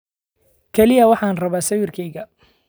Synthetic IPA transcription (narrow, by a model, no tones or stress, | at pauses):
kʰɛlɪjɐwɑħɑːnrɐβaːsɐwɪrkʰɛjɣɐ